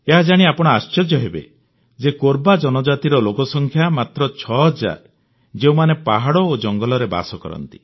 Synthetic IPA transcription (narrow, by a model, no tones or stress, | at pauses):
eɦad͡ʒaɽ̃iapɔɽ̃ɔast͡ʃɔd͡ʒjɔɦebḛ | d͡ʒekoɾbad͡ʒɔnɔd͡ʒat̪iɾɔlokɔsɔŋkʰjamat̪ɾɔt͡ʃʰɔd͡ʒa̰ɾ | d͡ʒeumanepaɦaɽɔod͡ʒɔŋɡɔlɔɾeba̰sɔkɔ̰ɾɔ̰nt̪i̥